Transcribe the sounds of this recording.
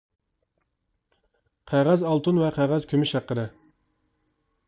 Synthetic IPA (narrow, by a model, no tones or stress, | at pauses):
qʰæʁæzɑlˠt̪ʰunvɛqʰæʁæz̥kʲʰymɪʃæqːəɾɨ